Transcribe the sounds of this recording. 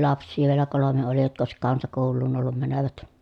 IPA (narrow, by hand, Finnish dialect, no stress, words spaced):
lɑpsˑiː ʋielæ kolome oli jotk oˑesik kɑnsɑkoˑulːuːn olːum mænøʋæt